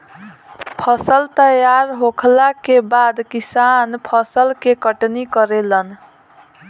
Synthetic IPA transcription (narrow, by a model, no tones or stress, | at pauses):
pʰəsəlt̪əjaɾɦokʰlakebad̪kisanpʰəsəlkekəʈnikəɾelən